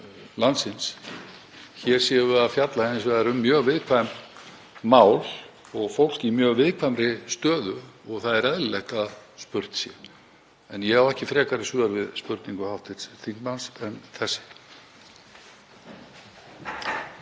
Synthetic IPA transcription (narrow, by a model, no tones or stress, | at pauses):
lant̪sɪns | çɛɾ̥sɛːvʏaðfjat̪lahensvɛðaɾʏmːjœːɣvɪðkʰvajm | maːwl | ɔɣfowl̥cimjœːɣvɪðkʰvajmɾɪst̪œːðʏɔɣθaðɛɾɛðllɛht̪aðspʏɾt̪sjɛ | ɛnjɛhavwɛhcɪfɾɛːkaɾɪsʏːðaɾvɪðspʏɾt̪niŋkʏhaft̪ɪt̪sθiŋkmansɛnθɛsːɪ̥